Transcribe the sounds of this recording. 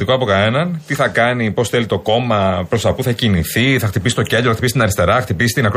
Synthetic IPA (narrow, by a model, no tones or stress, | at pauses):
t̪ikoɐpo̞kɐnenɐnt̪iθɐkɐnipo̞sθe̞lit̪o̞ko̞mɐpɾo̞st̪ɐpuθɐciniθiθɐxt̪ipisit̪o̞ce̞nd̪ɾoɐxt̪ipisit̪inɐɾist̪e̞ɾɐɐxt̪ipisi̥t̪inɐkɾ